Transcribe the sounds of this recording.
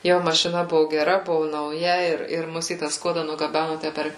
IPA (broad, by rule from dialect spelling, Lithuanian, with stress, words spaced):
ˈjoː mɐʃʲɪˈnɐ ˈbʊʋoː ɡʲɛˈrɐ ˈbʊʋoː nɐʊˈjɛ ˈɪr ɪr ˈmʊs iː tɑː ˈskuɔdɐ nʊɡɐˈbʲænʊ ˈtʲæ pʲɛr